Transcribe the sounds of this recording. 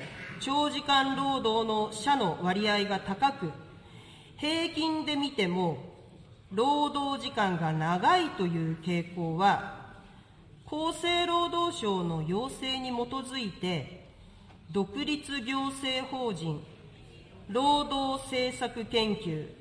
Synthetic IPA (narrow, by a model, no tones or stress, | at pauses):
t͡ɕo̞ːʑikãnɾo̞ːd̪o̞ːno̞ɕano̞βaɾʲiaiɡat̪akakɯ̟ | he̞ːkʲĩnd̪e̞mʲit̪e̞mo̞ | ɾo̞ːd̪o̞ːʑikãŋɡanaɡait̪o̞jɯ̟ːke̞ːko̞ːβa | kʰo̞ːse̞ːɾo̞ːd̪o̞ːɕo̞ːno̞jo̞ːse̞ːɲ̟imo̞t̪o̞zɨit̪e̞ | d̪o̞kɯ̟ɾʲit͡sɨɡʲo̞ːse̞ːho̞ːʑĩɴ | ɾo̞ːd̪o̞ːse̞ːsakɯ̟kẽ̞ŋkʲɨː